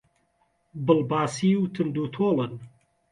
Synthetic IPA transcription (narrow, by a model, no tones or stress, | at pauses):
bɨlbaːsiwt̪ʰɨnd̪uːt̪ʰoːlɨn